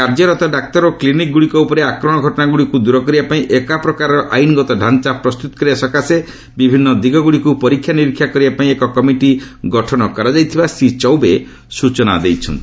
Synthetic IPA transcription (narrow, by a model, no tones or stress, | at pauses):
kaɾd͡ʒɔɾɔt̪ɔɖak̚t̪ɔɾoklinik̚ɡuɽikɔupɔɾeakɾɔɽ̃ɔɡʱɔʈɔnaɡuɽikud̪uɾɔkɔɾibapaĩʔekapɾɔkaɾɾɔʔajnɡɔt̪ɔɖʱant͡ʃapɾɔst̪ut̪ɔ̥kɔɾiasɔkase | bibʱinːɔd̪iɡɔɡuɽikupɔɾikʰːjaniɾikʰːjakɔɾibapaĩekɔkɔmiʈi | ɡɔʈʰɔɽɔkɔɾɔd͡ʒajt̪ʰibasit͡ʃɔwbe | sut͡ʃɔna̰d̪ejt͡ʃʰɔ̰nt̪i